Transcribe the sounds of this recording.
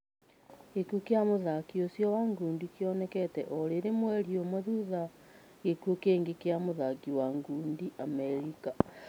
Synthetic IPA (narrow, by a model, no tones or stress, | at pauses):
ɣekukeamoðakiosjɔwaŋɡuːndikeɔnɛkɛtɛʔɔɾeɾemwɛɾiomwɛðuða | ɣekuokeŋɡekeamoðakiwaŋɡuːndiʔamɛɾika